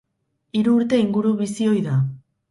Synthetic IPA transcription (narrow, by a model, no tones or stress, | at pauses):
iɾuːɾt̪e̞iŋɡuɾuβisio̞jða